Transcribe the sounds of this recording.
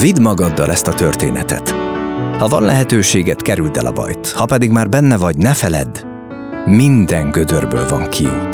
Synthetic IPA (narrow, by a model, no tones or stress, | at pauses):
vid̪mɒɡɒd̪ːɒlʔɛst̪ɒt̪ø̞rt̪ḛːnɛt̪ɛ̰t̪hɒvɒ̰nlʔɛɦɛt̪øːʃeːɡɛt̪kɛɾyld̪ɛ̰lʔɒ̰bɒ̰jt̪hɒpɛd̪iɡmaːrbɛnːɛvɒɟnɛfɛlɛ̰d̪ | mind̪ɛŋɡød̪ørbø̰ːlvɒŋkʰḭ